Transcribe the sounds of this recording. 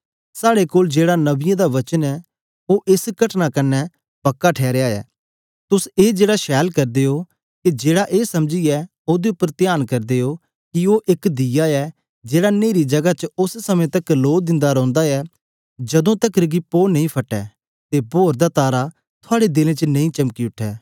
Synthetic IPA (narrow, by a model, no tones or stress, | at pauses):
saːɽekoːld͡ʒeːɽanɐbɪjãd̪aʋɐt͡ʃənɛ | oʔɪsɡɐʈnakɐnːɛ | pɐkːaʈʰɛːɾeaːɛ̰ː | t̪ʊseːd͡ʒeːɽaʃɛːlkɐɾd̪eo | kid͡ʒeːɽaʔeːsɐmd͡ʒiɛ | oːd̪eʊpːəɾt̪jaːnkɐɾd̪eːo | kioːʔɪkd̪ɪjaɛ | d͡ʒeːɽaneːɾid͡ʒɐɡat͡ʃʊssɐmẽt̪ɐkloːd̪ɪ̃nd̪aɾɔ̃ːnd̪aɛ | d͡ʒɐd̪õt̪ɐkɾɡipoːnɐ̃ĩpʰɐʈːɛ̰ː | t̪ebʱoːɾd̪at̪aːɾa | t̪ʰʊaːɽed̪ɪlẽt͡ʃənɐ̃ĩt͡ʃɐmkiʊʈʰːɛː